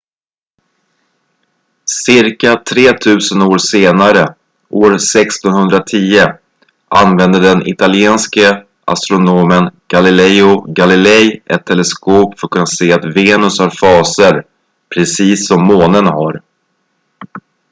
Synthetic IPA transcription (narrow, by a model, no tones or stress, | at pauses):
sɪɾkat̪ʰɾeːt̪ʰʉ̟ːsənoːɾseːnaɾə | ʔoːɾsɛkst̪ɔnhɵnd̪ɾat̪ʰiːə | ʔa̰nvɛnd̪əɖ̪ɛnʔɪ̰t̪alɪɛːnskə | ʔa̰st̪ɾʊnoːmənɡ̥alɪlɛjʊɡalɪlɛjʔɛt̪ʰːɛlɛskoːpfœɾkʰɵnːaseːat̪veːnɵshaɾfɑːsəɾ | pʰɾɛsiːsːɔmːoːnənhaɾ